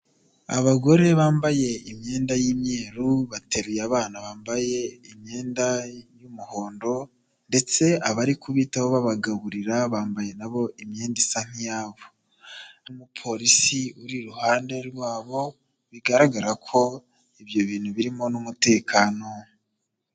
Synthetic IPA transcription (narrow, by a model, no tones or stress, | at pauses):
a̰βaɡo̞ɾe̞βaːmbaje̞imɲe̞ːndajiːmɲe̞ːɾuβate̞ɾujaβaːnaβaːmbaje̞imɲe̞ːndajumuho̞ːndo̞ | nde̞t͡se̞aβaɾikuβiːtaβoβaβaɡaβuɾiɾaβaːmbaje̞naβo̞ʔimɲeːndisaŋ̥ijaːβo | mupʰo̞ɾisiuɾiɾuhaːnde̞ɾɡwaːβo̞ | βiɡaɾaɡaɾakʰo̞ | iβjo̞βiːn̥huβiɾimo̞numute̞ːkʰaːno̞